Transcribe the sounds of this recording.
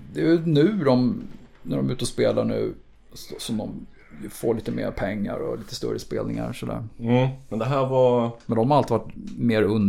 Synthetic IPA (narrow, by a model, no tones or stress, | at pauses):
d̪ɛjnʉ̟ːd̪ɔmnæɖɔmʉ̟ːt̪əɔspeːlaɳʉ̟ː | sɔsɔmd̪ɔm | jfoːɭiːt̪əmḛːɾpʰɛŋːa̰ɾɔliːt̪əst̪œ̰ɾəspeːlnɪŋa̰ɾsɔd̪æ̰ːɾmɛnd̪ɛɦæːɾvɑmɛnd̪ɔmhaɾalt̪iːʋvaʈmeːɾɵn